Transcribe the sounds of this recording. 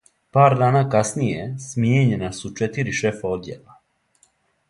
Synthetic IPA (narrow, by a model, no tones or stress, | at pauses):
paːɾd̪aːnaːkasnijesmjeɲe̞nasut͡ʃet̪iɾiʃe̞fao̞d̪jḛlˠa